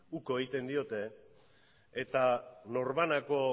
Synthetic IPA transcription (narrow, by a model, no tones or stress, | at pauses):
uko̞eɣit̪e̞nd̪io̞t̪e̞ | et̪ano̞ɾβanako̞